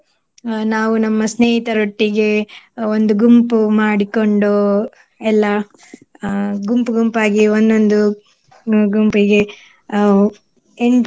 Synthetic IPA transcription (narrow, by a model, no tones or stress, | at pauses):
naːʋunɐmːɐsneːɦit̪ɐɾoʈːiɡe̞ond̪uɡumpumaːɽikoɳɖoː | ɛlːɐ | ɡumpuɡumpaːɡiond̪ond̪u | ɡumpiɡe | eɳ